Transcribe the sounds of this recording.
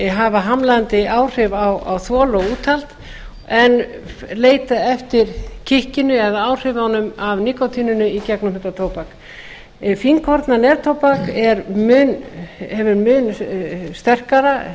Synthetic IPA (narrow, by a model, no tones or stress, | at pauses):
ɦavaɦamlaant̪ɪʔaːwr̥ɪvawa̰wθvɔːlɔuːt̪ʰalt̪ | ɛnleːjt̪aɛft̪ɪɾ̥cʰɪhcɪnʏɛðaaːwr̥ɪvanʏmavnikɔt̪ʰiːnʏnʏicaknɔmhɪnt̪at̪ʰoːwpak | fiŋkʰɔɾt̪nanɛɾt̪ʰowpakɛɾmʏnhɛvʏɾmʏnst̪ɛr̥kaɾa